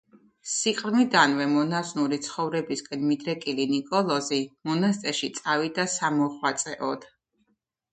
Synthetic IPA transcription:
siqʼɾmid̪anvɛmɔnasnuɾit̪sʰχɔvɾɛbiskʼɛnmid̪ɾɛkʼilinikʼɔlˠɔzimɔnast̪ʼɛʃit̪sʼavid̪asamɔχwat̪sʼɛʔɔd̪̥

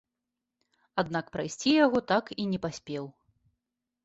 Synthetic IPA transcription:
ad̪nakpɾajsʲt͡sʲijaɣɔt̪akinʲɛpasʲpʲɛw

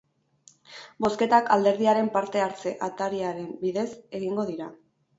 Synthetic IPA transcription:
bo̞ske̞t̪akald̪e̞ɾðiaɾe̞mpaɾt̪e̞aɾt͡se̞ʔat̪aɾiaɾe̞mbiðe̞se̞ɣiŋɡo̞ð̞iɾa

